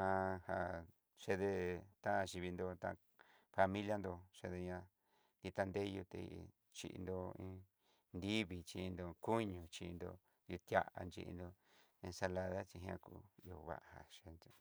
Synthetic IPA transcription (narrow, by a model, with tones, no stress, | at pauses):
ã˧ha˨ | ʂe˧ðe˧t̪ã˦˧ʃi˧βi˧nd̪o˧t̪ã˧ | fa˧mĩ˦lja˦˧nd̪o˧ʂe˧ðe˧ɲã˧ | d̪i˧t̪a˧nd̪e˦˧ju˧t̪ḛ˧ | t͡ʃḭ˧ʔḭ˧nd̪o˧ĩ˧˦ | nd̪i˦βi˧t͡ʃi˧i˧nd̪o˧ku˦ɲũ˨t͡ʃi˧nd̪o̰˧ | ju˧t̪ja˧ʔa̰˧nd͡ʒḭ˧ʔḭ˧nd̪o˧ | ĩ˧sa˧la˧ða˦t͡ʃi˧ɦj̃ã̰˦˧kṵ˧o˧βa̰˧˨ʔa˨ha̰˨ʃe˧no˧